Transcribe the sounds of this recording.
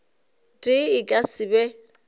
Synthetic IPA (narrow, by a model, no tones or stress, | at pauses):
dʼɪɪkʼasɪbɛ